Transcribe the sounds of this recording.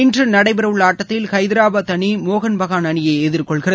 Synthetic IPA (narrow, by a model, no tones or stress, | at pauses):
ɪndrɯnɐɽɐɪbɐɾɐʋɯɭːaːʈːɐt̪ːɪlkɐɪðɪɾaːbɐt̪ɐɳimoːɣɐnbɐɣaːnɐɳɪjɐɪɛðɪɾkɔɭɣɪrɐð